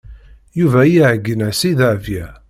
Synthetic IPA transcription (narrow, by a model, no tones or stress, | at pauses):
juvæjiʕəɡːənæsiðaʕvjæ